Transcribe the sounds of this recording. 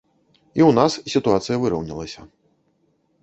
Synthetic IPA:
iwnassʲit̪uat̪sɨjɐvɨɾɐwnʲilˠɐsʲɐ

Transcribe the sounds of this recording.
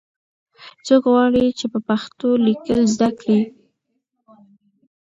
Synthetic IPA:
t͡sokɣwɑɽit͡ʃepəpaxt̪olikəlzd̪akɽi

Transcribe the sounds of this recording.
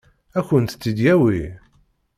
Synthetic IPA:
æçənt̪t͡sːid̪jæwi

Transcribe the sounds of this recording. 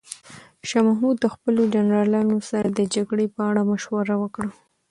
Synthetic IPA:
ʃɑmahmud̪ːəxpəlod͡ʒanɾɑlɑnosaɾad̪əd͡ʒaɡɽepəaɽamaʃwaɾawəkɽa

